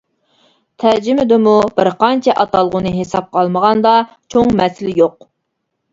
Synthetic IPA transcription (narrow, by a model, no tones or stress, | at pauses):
t̪ʰæɾd͡ʒɪmɪd̪ɪmub̥ɪɾqɑnt͡ʃʰɛʔɑt̪ɑlˠʁʊnɨɦesɑp̚qʰɑlˠməʁɑnd̪ɑ | t͡ʃʰoŋmɛsɪlɪjoq̚